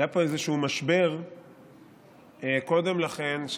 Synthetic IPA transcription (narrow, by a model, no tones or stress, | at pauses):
japo̞ezeʃuumaʃbe̞ʁ | ko̞d̪emlaχe̞nʃ